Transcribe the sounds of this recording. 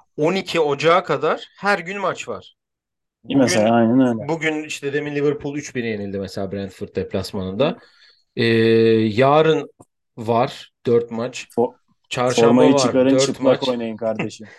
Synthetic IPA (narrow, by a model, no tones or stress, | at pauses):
o̞nicʰio̞d͡ʒaːkʰad̪aɾ̥hæɾɟynmat͡ʃva̰ɾ̥ | meelaajnɛnøjlʲɛbuɟyniʃt̪ʰɛd̪eminlʲivɯɾpʰulˠyt͡ʃbiɾije̞nilʲd̪imɛselʲaːbɾænd̪fɯɾt̪̚d̪ɛpʰlʲasmanɯnd̪a | ɛːjaːɾɯn | vaɾ̥d̪̥øɾt̪mat͡ʃ | t͡ʃʰaɾʃoaɾmajɯvt͡ʃʰaɯɾkaɾɯnøt͡ʃɾɯpmako̞jnajɯnkʰaɾdeʃim